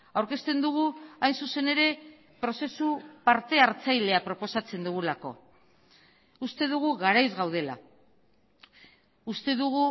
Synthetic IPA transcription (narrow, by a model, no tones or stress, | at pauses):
awɾke̞st̪e̞nd̪uɣ̞uajnsuse̞ne̞ɾe̞ | pɾo̞se̞supaɾt̪e̞aɾt͡sajle̞apɾo̞po̞sat͡se̞nd̪uɣ̞ulako̞̰ | ust̪e̞ðuɣ̞uɣaɾajzɣawð̞e̞la̰ | ust̪e̞ðuɣu